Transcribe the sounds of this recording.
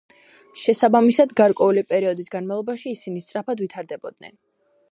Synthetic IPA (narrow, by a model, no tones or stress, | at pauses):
ʃɛsabamisad̪ɡaɾkʼwɛulipʼɛɾiɔd̪isɡanmalˠɔbaʃiːsinist̪sʼɾapʰad̪vit̪ʰaɾd̪ɛbɔd̪̚nɛ̰n